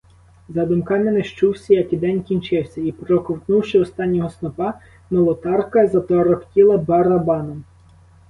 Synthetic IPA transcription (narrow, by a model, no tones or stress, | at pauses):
zɐd̪ʊmkɑmɪneʃt͡ʃuwsʲɐjɐkid̪ɛnʲkʲinʲt͡ʃɪwsʲɐipɾɔkɔwt̪nuwʃɪɔst̪ɑnʲːɔɦɔsnɔpɑ | mɔlˠɔt̪ɑrkɐzɐt̪ɔɾɔktʲilˠɐbɐɾɐbɑnɔm